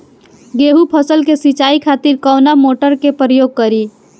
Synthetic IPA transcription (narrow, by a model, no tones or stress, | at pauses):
ɡeɦupʰəsəlkesit͡ʃaikʰat̪iɾkɔwnamoʈəɾkepɾəjoɡ̚kəɾi